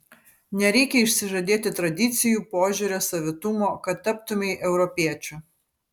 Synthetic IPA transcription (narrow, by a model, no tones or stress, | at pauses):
nʲɛɾʲɛɪkʲɛɪʃʲsʲɪʒɐd̪ʲeːt̪ʲɪt̪ɾɐd̪ʲɪt̪sʲɪjuːpoːʒʲʊɾʲosɐʋʲɪt̪ʊmoːkɐt̪ːɐp̚t̪ʊmʲɛɪʔɛʊɾɔpʲiɛt͡ʃʲʊ